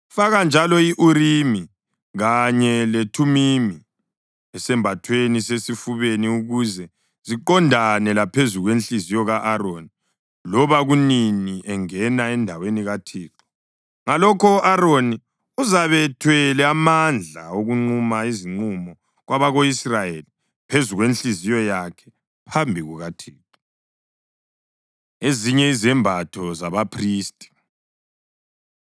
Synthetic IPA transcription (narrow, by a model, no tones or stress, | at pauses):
faɣand͡ʒʱalɔiʔuɾimi | ɣaɲɛletʰumimi | ɛsɛmbʱatʰwenisesifuβeniuɣuzɛ | z̥iǃɔndʱanɛlapʰezuɣwent͡ɬizijɔɣaʔaɾoːni | lɔβaɣuniniʔɛŋɛnaɛndʱaweniɣatʰiːǁɔ̥ | ŋalɔkʰɔʔaɾoni | uzaβɛtʰwɛlɛamand͡ɮʱa̰oɣuŋ͡ǃumaiziŋ͡ǀumɔ | ɣwaβaɣoisrajeli | pʰezuɣwenɬizijɔjakʰɛ̥ | pʰambʱiɣuɣatʰiːǃɔ | eziɲɛizɛmbʱatʰɔzaβapʰriːstʼi̥